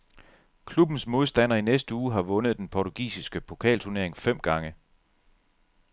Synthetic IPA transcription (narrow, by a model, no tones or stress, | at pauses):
kʰlub̥n̩smo̝ð̞ˠsd̥æn̰ɐinesd̥əuːɦɑ̈ʋɔ̽nəð̩ˠd̥enpʰɒt͡sʰuɡ̥ḭːsisɡ̥əpʰo̝kʰɛ̰ːlt͡sʰuɐne̝ɐe̝ŋfem̰ɡ̥ɑ̈ŋə